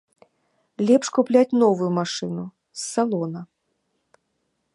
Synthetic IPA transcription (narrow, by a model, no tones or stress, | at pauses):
lʲɛpʂkuplʲat͡sʲnɔvujumaʂɨnu | sːalˠɔnɐ